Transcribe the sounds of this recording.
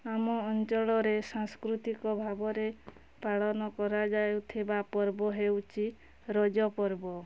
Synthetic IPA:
amɔːnt͡ʃɔɭɔɾesãŋskɾut̪ikɔbʱabɔɾe | paɭɔnɔkɔɾad͡ʒajwt̪ʰibapɔɾbɔɦewt͡ʃʰi | ɾɔd͡ʒɔpɔɾbɔ

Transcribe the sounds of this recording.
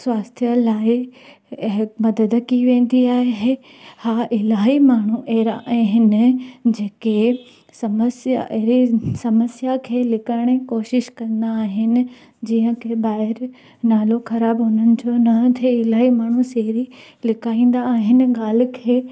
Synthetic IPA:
swaːst̪ʰjəlaːɪ | ɦmɐd̪əd̪kiʋẽːn̆d̪iaːɦeɦe | haːʔɪlaːɦimaːɳ̤uʔeːɾaʔɦɪnɪ̆d͡ʑeːke | sɐməsja̰ʔɾisɐməsjakʰeːlɪkaːɪɽ̃ekoːʃɪʃkɐ̃nd̪aːɦɪnɪ̆ | d͡ʑiːɦə̃kʰebaːɦɪɾ | naːloxɐɾaːbɦʊnənɪ̆d͡ʑonɐt̪ʰeɪlaːɦimaːɳ̤useɦɾi | lɪkʰaːĩːn̆d̪aːɦɪnɪ̆ɡaːl̤̆kʰeː

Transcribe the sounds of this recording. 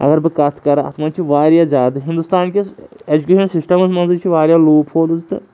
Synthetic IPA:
ɐ̰ɡɐɾbɨkɐt̪ʰkɐɾaɐ̰t̪ʰmɐt͡ʃʰiʋaːɾjaːzʲaːd̪ɐɦɪ̃nd̪ust̪aːnkeed͡ʒukʲeːʃɐnsɪsʈɐmɐsmɐnzɐt͡ʃʰiʋaːɾʲjaloːpʰhoːd̪ɨzt̪ɨ̰

